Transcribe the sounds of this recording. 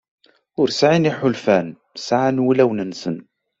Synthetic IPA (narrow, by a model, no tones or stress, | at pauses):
ʊɾsʕiniħʊlfæn | sʕanwilæwnənsən